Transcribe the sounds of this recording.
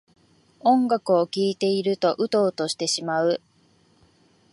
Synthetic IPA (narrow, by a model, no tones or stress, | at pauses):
õ̞ŋɡakɯ̟o̞kʲiːt̪e̞iɾɯ̟t̪o̞ʔɯ̟t̪o̞ːt̪o̞ɕi̥t̪e̞ɕimaɯ̟